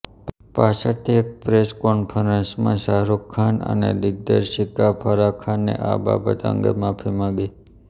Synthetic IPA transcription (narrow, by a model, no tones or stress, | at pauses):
pasəɾt̪ʰiek̚pɾeskonpʰəɾənsmã̰saɾokʰːanə̰nḛd̪ɪɡ̚d̪əɾʃikapʰəɾakʰanːḛʔa̰ba̰bət̪ə̰ŋɡə̰mãpʰimãɡi